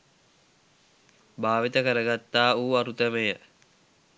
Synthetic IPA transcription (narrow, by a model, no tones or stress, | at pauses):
baːʋit̪əkəɾəɡat̪ːaːuːaɾut̪əməjə